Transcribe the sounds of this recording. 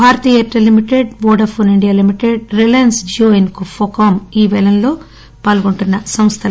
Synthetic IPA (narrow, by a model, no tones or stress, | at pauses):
bʱaːɾɐt̪iːet̪ɾɐlimiʈeɖboːɖɐpʰoːniɳɖijaːlimiʈeɖ̚ɾelensd͡ʒoːenkufoːkaːmiːʋɛlɐnlo̞ː | paːlɡoɳʈunːɐsɐmst̪ʰɐ